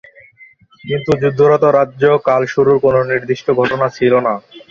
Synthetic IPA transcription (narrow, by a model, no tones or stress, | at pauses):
kint̪ud͡ʑud̪ʱːoɾɔt̪oɾadːʑokalʃuɾuɾkononiɾd̪iʃʈoɡʱɔʈonat͡ɕʰilona